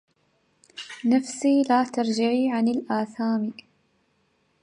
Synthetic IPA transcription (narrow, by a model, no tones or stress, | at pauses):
nafsiːlaːt̪ɑɾˤd͡ʒɪʕiːʕanɪlʔaːθaːmi